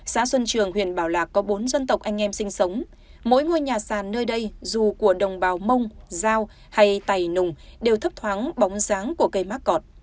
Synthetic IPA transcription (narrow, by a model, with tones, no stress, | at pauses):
saː˧˥swə˧nt͡ɕɨ˨˩əŋɦwḭ˧˨ənɓaː˧˩wlaː˨˩k̚kɔ˨˦ɓo˨˦nzə˧nt̪ə˨˩wk͡p̚ʔa˧jŋ̟ʔɛ˧msï˧ŋ̟sə˨˦wŋ͡m | mo̰˧˥jŋo˧˩˨jɲaː˨˩saː˧˩nːəː˧jɗə˧jzu˨˩ku˧˩əɗə˨˩wŋ͡mɓaː˨˩wmə˧wŋ͡mzaː˧w | ha˧jt̪a˨˧˩jnʊ˨˩ŋ͡mɗe˨˩wt̪ʰə˦˥p̚t̪ʰwaː˨˦ŋɓɔ˨˦wŋ͡mzaː˨˦ŋku˧˩əkə˧˩jmaː˦˥k̚kɔ˨˩t̚